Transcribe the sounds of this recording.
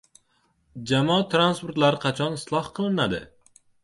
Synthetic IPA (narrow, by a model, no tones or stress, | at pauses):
d͡ʒamɒt̪ʰɾanspʊɾt̪laɾɪqʰɑt͡ʃʰɒnɪslˠɒhqʰɨlˠɪnad̪ɪ̰